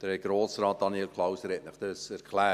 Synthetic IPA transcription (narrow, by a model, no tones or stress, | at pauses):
d̥əɾɛɡ̥ɾoːsɾɑːt̪̚d̥̪ɑniɛlkʰlˠɑwsəɾɛtnəχd̥̪əsæɾkʰlæː